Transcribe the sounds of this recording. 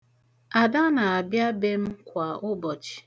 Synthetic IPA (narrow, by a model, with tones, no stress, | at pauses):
a˨da˦na˨a˨bja˦be˦m̩˦kʷa˨ʊ˦bɔ˨t͡ʃi̥˨